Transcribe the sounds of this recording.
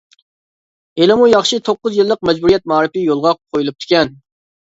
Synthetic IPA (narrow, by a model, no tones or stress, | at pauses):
elɪmujɑχʃit̪ʰoqːʊzjilˠːəq̚mɛd͡ʒbuɾijɛt̪̚mɑːɾɪpijolˠʁɑqʰojulˠup̚t̪ʰɪ̥kʲɛn